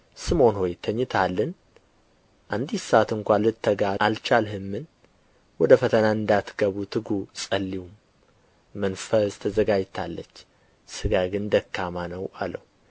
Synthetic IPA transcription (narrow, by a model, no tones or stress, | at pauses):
sɨmo̞nho̞jt̪ʰəɲːɨt̪ʰalːən | ʔand̪isəat̪ɨŋkʷalɨt̪ʰːəɡaalt͡ʃalɦɨmːɨn | wɔd̪əfət̪ʰənaɨnd̪at̪ɡ̥əβut̪ʰɨɡusʼəlːiwumː | ənfəst̪ʰəzəɡad͡ʒt̪ʰalːət͡ʃː | sɨɡaɡɨnd̪əkːamanəwa̰ləhu